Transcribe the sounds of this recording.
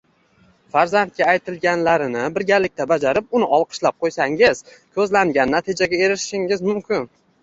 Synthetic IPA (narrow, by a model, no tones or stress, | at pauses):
faɾzant̪̚kʲaːjt̪ʰɪlɡʲanlaɾɪnɪbɪɾɡʲaɾlɪk̚ʲt̪ʰabad͡ʒaɾɪp̚ʊnɪʔɒlˠqʰɨ̥ʃlap̚qʰojsaŋɪz̥kʲʰɵzlaŋɡʲanːat̪ʰid͡ʒaɡʲae̞ɾɪʃʃɪŋɪzmʊmkʲʰɪn